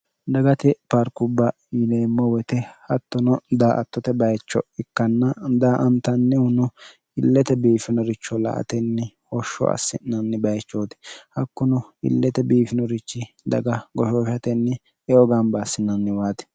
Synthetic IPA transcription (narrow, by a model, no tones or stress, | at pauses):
d̪ɐɡɐt̪ɛpɐɾkʊbːɐ | jɪneːmːɔwɛt̪ɛhɐt̪ːɔnɔd̪aːʔɐ̰t̪ːɔt̪ɛbɐjt͡ʃːɔɪkːɐnːɐd̪aːʔɐnt̪ɐnːɛhʊnʊ | ɪlːɛt̪ɛbiːfɪnɔɾɪt͡ʃːɔlɐ̰ʔɐ̰t̪ɛnːɛ | hɔʃːɔ̰ɐ̰sːɪ̰nːɐnːɪbɐjt͡ʃːoːt̪ɪ̥hɐkːʊnʊɪ̰lːɛt̪ɛbiːfɪnɔɾɪt͡ʃːɪ | d̪ɐ̰ɡɐɡɔʃoːʃɐt̪ɛnːɛ | ɛɔɡanbasːɪnːɐnːɪwaːt̪ɛ̥